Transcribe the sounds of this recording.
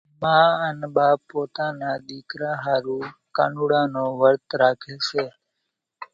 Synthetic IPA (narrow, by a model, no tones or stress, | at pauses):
mãːənɓaːpoːt̪ãːnãːɗ̪iːkɾãːɦaːɾũːka̰ːɳuːɽãːnoːʋəɾt̪ɾaːkʰeːseː